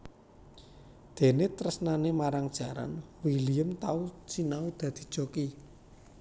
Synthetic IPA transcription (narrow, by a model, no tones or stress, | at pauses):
d̪̥e̤nɪt̪ɾəsnanemaɾaŋd̥ʒ̥a̤ɾa̰nwilijəmt̪aut͡ʃinaud̪̥ä̤d̪̥i̤̥ʒ̥oki